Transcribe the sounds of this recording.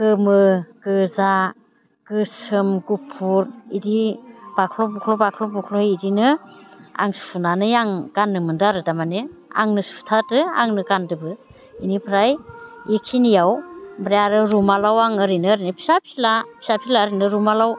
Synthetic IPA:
kɯmɯkɯza | kɯsɯmɡupʰuɾidib̥akʰlɔbukʰlɔbakʰlɔbukʰlɔidinɯ | a̰ŋsu̥pʰunanɯjaŋɡanːɯmɯndaɾɯdamanea̰ŋnɯsu̥tʰatɯa̰ŋnɯɡandɯbɯ | inipʰɾajikʰinijawbɾejaɾɯɾumalawaŋɯɾinɯɾinɯpʰi̥sapʰilapʰi̥sapʰilaɾinɯɾumalaw

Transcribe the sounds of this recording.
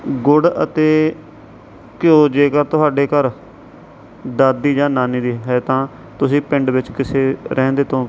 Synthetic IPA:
ɡʊɽə̰t̪eː | kjoːd͡ʒeːkəɾt̪ʊɦaːɖeːkəɾ | d̪aːd̪ːiːd͡ʒãːnaːniːd̪iːɦɛːt̪ãː | t̪ʊsĩːpɪɳɖʋɪt͡ʃkɪseːɾʔɛ̃ːnd̪eːt̪õː

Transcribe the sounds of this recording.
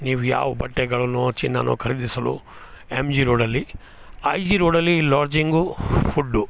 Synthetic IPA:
niːʋuja̰ːʋɐbɐʈːɛɡɐɭɐnːut͡ʃinːɐ̰nʔṵkʰɐɾid̪isɐlṵ | emd͡ʒiɾoːɽɐlːi | ɐjd͡ʒiɾoːɽɐlːilaːɾd͡ʒiŋɡupʰuɖːu

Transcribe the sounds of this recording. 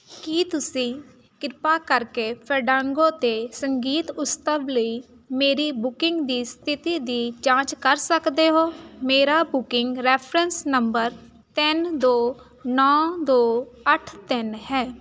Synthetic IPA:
kiːt̪ʊsĩː | kɪɾpaːkəɾkeːpʰəɾɖãːŋɡõːt̪eːsəŋɡiːt̪ʊst̪əbləiː | meːɾiːbʊkɪŋɡd̪iːst̪ʰɪt̪iːd̪iːd͡ʒãːt͡ʃkəɾsəkd̪eːɦoːmeːɾaːbʊkɪŋɡɾɛːpʰɾənsnəmbəɾ | t̪ɪnd̪oː | nɔːd̪oːəʈʰt̪ɪnɦɛː

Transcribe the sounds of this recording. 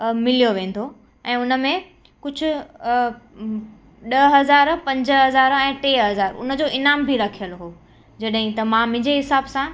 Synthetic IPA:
mɪlijoʋẽːn̆d̪ʰo | ɛ̃ːʊnə̆mẽ | kʊd͡ʑʱʊ̆ | ɗɐɦɐzaːɾpɐ̃ɲd͡ʑə̆ɦɐzaːɾɛ̃ːʈeːɦɐzaːɾʊ̰nə̆d͡ʑoːʔɪnaːmbʱiɾɐkʰijəlɦoː | d͡ʑɐɗɦɪ̃t̪ɐmãːmeɪ̃ɲd͡ʑeɦɪsaːbsã

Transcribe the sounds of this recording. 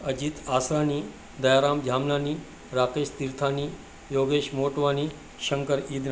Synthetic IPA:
əd͡ʑiːt̪aːsaniː | d̪əjaɾamd͡ʑʱamlaniː | ɾakeɕt̪iɾt̪ʰaniː | joɡeɕmoʈʋaniː | ɕəŋkəɾiːd̪n

